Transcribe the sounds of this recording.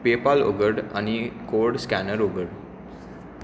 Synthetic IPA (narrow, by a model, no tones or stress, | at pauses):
pepalo̰ɡəɖa̰ñikoɾɖskænəɾoɡəɽ